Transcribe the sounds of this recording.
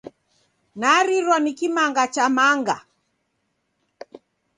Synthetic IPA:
naɾiɾwanikimaŋɡat͡ʃamaŋɡa̰

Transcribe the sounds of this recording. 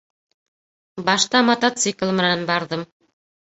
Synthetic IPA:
bɑʃt̪ɑmɐt̪at̪siklˠmɘ̆nænbɑɾðɤm

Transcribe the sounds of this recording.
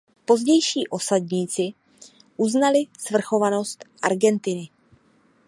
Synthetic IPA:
po̞zɟɛjʃiːʔo̞sadɲiːt͡sɪ | ʔuznalɪsvr̩xo̞vano̞st̪ʔaɾɡɛnt̪ɪnɪ

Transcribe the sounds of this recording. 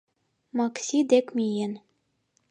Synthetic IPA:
mɑksʲid̪ekmʲijen

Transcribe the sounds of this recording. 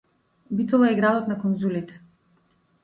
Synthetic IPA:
bit̪ɔlˠaɛɡɾad̪ɔt̪nakɔnzulit̪ɛ̥

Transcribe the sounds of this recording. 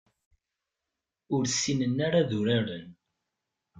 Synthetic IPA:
ʊɾsːinənːaɾaðuɾaɾən

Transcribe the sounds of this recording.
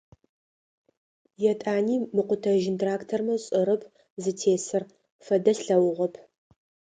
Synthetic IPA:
jɛtʼaːniːmɨqʷʊtʰɐʒɪntraːktʰɐrmɐɕʼɨɾɐpʰ | zɨtʰeːsɨr | fɐdɐsɬɐwʊʁʷɐpʰ

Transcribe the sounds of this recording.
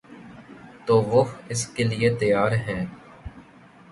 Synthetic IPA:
t̪oːʋʊɦɪskeliet̪ɐjaːɾɦɛ̃ː

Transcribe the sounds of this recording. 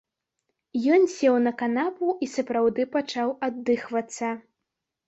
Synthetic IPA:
jɔnsʲɛwnɐkanapuisɐpɾawd̪ɨpat͡ʂawad̪ːɨxvɐt̪sːɐ

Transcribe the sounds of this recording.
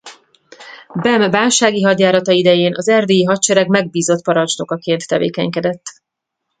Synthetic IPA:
bɛmvaːlʃaːɡiɦɒd̪jaːɾɒt̪ɒid̪ɛjeːnʔɒzɛrd̪eiɦɒt̪t͡ʃɛɾɛɡmɛɡ̚biːzo̞t̪pɒɾɒnt͡ʃno̞kɒkeːnt̪ːɛvḛːkɛ̰ɲkɛd̪ɛt̪ː

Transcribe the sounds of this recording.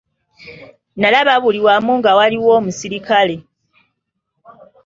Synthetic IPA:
nalaβaβuliwamuŋɡawaliwo̞ːmusiɾikale̞

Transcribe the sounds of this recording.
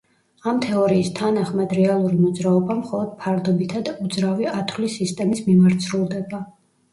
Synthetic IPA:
amt̪ʰɛɔɾiːst̪ʰanaχmad̪ɾɛalˠuɾimɔd̪zɾaɔbamχɔlˠɔd̪̥̚pʰaɾd̪ɔbit̪ʰad̪ud̪zɾaviat̪ʰwlisist̪ʼɛmismimaɾt̪sʰɾulˠd̪ɛba

